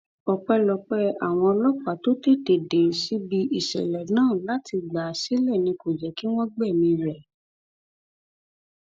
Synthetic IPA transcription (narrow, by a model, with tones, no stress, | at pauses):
ɔ˨k͡pɛ˧lɔ˧k͡pɛ˦a˦˨w̃ɔ̃˧ɔ˧lɔ˦k͡pa˨to˦te˦˨de˨de˨ɾsi˨˦bi˧ʔi˦˨ʃɛ̰˨lɛ˨nãː˦˨la˨˦ti˧ɡ͡ba˨si˦lɛ˦˨nĩ˧ko˨d͡ʒɛ˨ki˦w̃ɔ̃˦ɡ͡bɛ˦˨mĩ˧ɾɛ˨